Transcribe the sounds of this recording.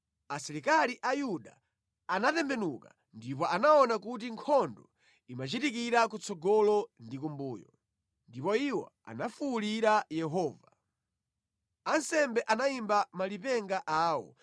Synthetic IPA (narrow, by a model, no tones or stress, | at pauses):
asiɾikaliʔajuɗa̰ | anatɛmbɛnuka | ndip̬ɔʔanaɔnakut̬iŋkʰɔndɔ | imat͡ʃitik̬iɾakut͡sɔɡɔlɔndik̬umbuːjɔ̰ | ndipɔiwɔ̰a̰nafuliɾajɛɦɔːva | ansɛmbɛʔanaimbamalipɛŋɡaʔaːwɔ̰